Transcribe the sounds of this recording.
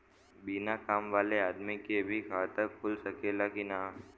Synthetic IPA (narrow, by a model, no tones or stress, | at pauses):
biːnakaːmʋaːleaːd̪mikebʱikʰaːt̪əɾpʊlsɐkeːlakinaː